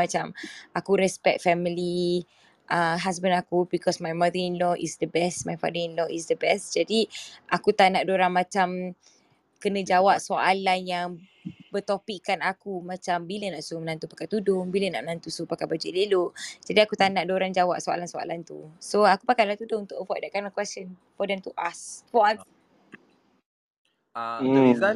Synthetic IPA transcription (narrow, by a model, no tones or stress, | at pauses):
at͡ʃamakuɾɛspɛk̚t̪̚fɛmili | ʔəɦas̬bə̃nakubikɔsmajmadəinlɔʔisdəbɛsmajfa̰dəinlɔisdəbɛstd͡ʒadiʔakut̪anaʔdoɾaŋmãt͡ʃam | kənə̃d͡ʒawaʔ̚soalanjaŋ | bət̪opikːanakumãt͡ʃambilənaʔsumənãnt̪upakat̪udʊŋbiləna̰ʔmənãnt̪usopakabad͡ʒuʔleloʔd͡ʒadiakut̪anaʔdoɾand͡ʒawaʔ̚soa̰lansoa̰lant̪ṵsoakupakalat̪udʊŋunt̪ʊʔəvɔdaʔkanakwɛsən | fɔdɛmt̪uʔaswan